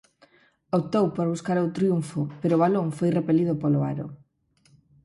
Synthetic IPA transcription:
op̚t̪owpoɾβuskaɾowt̪ɾjuɱfʊpeɾoːβaloŋfojrepeliðʊpoloaɾo

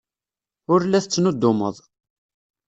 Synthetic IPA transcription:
ʊɾlːæθt͡sːnʊd̪ːʊmə̰ðˤ

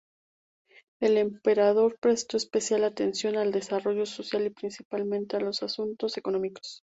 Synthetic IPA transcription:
e̞le̞mpe̞ɾað̞o̞ɾpɾe̞st̪o̞espe̞sjalat̪e̞nsjo̞nald̪e̞saro̞ʝo̞so̞sjalipɾinsipalmẽnt̪ealo̞sasunt̪o̞se̞ko̞nõ̞miko̞̥s

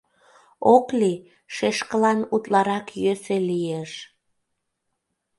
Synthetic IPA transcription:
okli | ʃeʃkəlɑnut̪lɑɾɑkjøselijeʃ

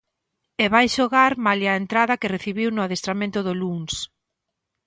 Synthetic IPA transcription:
eβajʃoɣaɾmaljɐent̪ɾaðɐkɪreθiβiwnʊaðest̪ɾamẽnt̪ʊðʊluŋs

